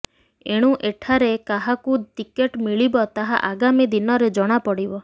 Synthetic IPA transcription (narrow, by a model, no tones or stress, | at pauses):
eɽ̃uʔeʈʰaɾekaɦakut̪ikeʈmiɭibɔt̪aɦa̰ʔaɡamid̪inɔɾed͡ʒɔɽ̃apɔɽibɔ